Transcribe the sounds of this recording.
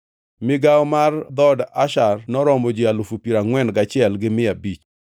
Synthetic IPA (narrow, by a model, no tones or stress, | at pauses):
mɪɡawɔmard̪ɔdaʃarnɔɾɔmod͡ʒialufupiɾaŋwɛnɡat͡ʃɪɛlɡɪmɪabit͡ʃ